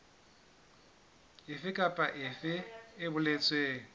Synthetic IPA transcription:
ɪfɪkʼapʼaʔɪfɪɪbʊlet͡sʼweːŋ̩

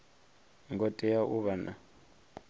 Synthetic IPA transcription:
ŋɡɔtʼɛjaʔuβana

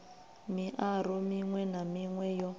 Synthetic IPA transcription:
miʔaɾɔmiŋwɛnamiŋwɛjɔ

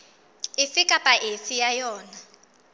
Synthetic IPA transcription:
ifikʼapʼaʔefijajɔːna

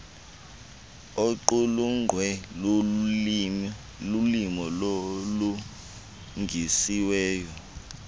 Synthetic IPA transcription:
oǃuluŋwɛ | lulimɔlolu | ŋʱisiwɛːjɔ

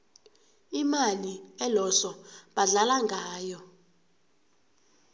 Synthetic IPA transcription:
imaliɛlɔsɔɓaɮalaŋɡʱaːjɔ

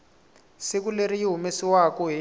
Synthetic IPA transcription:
sik̬uleɾijiɦumesiwakɔɦi

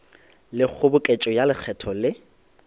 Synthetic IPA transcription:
lɪk͡xʰʊbʊkʼet͡ʃʼɔjalɪk͡xʰɛtʰɔlɪ

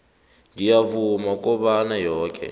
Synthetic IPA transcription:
ŋijavumak̬ʼɔɓanajɔːkʰɛ̰

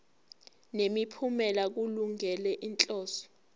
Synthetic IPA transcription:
nemipʰumɛlak̬uluŋɛlɛʔint͡ɬʼɔːsɔ̥

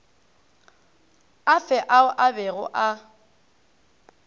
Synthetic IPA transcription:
afɛʔaʊʔabɛɣʊ̰ʔa

